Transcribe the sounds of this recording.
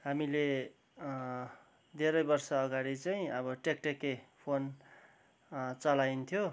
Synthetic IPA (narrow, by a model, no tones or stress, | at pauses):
ɦamile | d̪ʱeɾʌjbʌrsʌːɡaɽit͡saĩʌβʌʈekʈekepʰon | t͡sʌlajnt̪ʰjo